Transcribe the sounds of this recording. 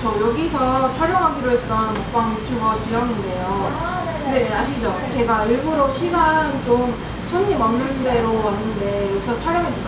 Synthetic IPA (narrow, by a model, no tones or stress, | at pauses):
t͡ɕʌjʌɡisʰʌt͡ɕʰʌɾjʌŋɦaɡiɾoɦet͈ʌnup͈aŋpʰoɡʌt͡ɕijaŋinde̞jo | kkɯnde̞aɕʰid͡ʑʌt͡ɕe̞ɡaiɭɡuɾoɕʰibant͡ɕom | sʰoɲimʌnnːɯnde̞ɾoanːɯnde̞jʌɡisʰʌt͡ɕʰʌɾjʌŋɦe